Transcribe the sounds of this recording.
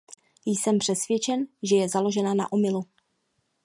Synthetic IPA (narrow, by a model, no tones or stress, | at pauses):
jsɛmpr̝̥ɛsvjɛt͡ʃɛnʒɛjɛzalo̞ʒɛnana̰ʔomɪlu